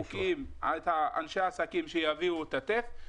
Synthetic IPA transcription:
ukima̰t̪haa̰nʃeaːsakimʃejaviuet̪at̪ef

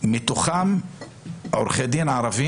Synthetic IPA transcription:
met̪uχam | oɾχed̪imʕaɾˤavi

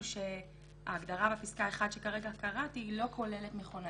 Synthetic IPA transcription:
ʃe | aːɡd̪aʁabapiskae̞χad̪ʃe̞kaʁeɡakaʁatilo̞kʰo̞le̞letmeχona

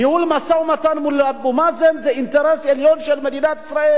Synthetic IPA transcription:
jehulmasaumat̪anmulabumazenzeint̪eɾeseljonʃelme̞d̪inat̪isɾae

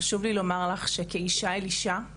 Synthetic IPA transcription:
aʃuvlilo̞maʁlaχʃekeiʃaeliʃa

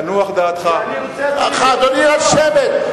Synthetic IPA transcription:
nuaχd̪aːt̪χa | a̰χad̪oniaʃevet̪̚

